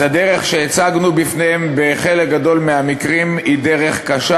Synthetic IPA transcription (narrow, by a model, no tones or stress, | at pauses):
ad̪eʁeχʃeet͡saɡnubifnehembeχelek̚ɡad̪o̞lmeamikʁimid̪eʁe̞χkaʃa